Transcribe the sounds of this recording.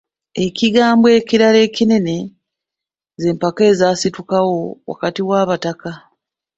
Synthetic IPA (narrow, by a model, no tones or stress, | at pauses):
e̞ciɡaːmbwe̞ːciɾale̞ːcine̞ne̞ | ze̞ːmpake̞ːzasitukawo̞wa̰katiwaːβataka